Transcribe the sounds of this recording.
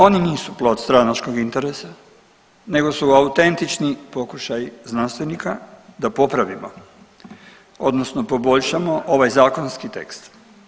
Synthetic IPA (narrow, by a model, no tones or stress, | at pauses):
o̞niniːsuplˠot̪st̪ɾanat͡ʃko̞ɡint̪e̞ɾesa | ne̞ɡo̞suaut̪e̞nt̪it͡ʃnipo̞kuʃajiznanst̪ʋenikad̪apo̞pɾaʋimo | o̞d̪nosno̞po̞bo̞ʎʃamo̞ʔo̞ʋajzaːko̞nskit̪e̞̰kst̪